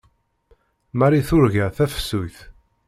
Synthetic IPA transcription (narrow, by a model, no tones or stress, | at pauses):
mæɾiθʊɾʝæθæfə̥sːujθ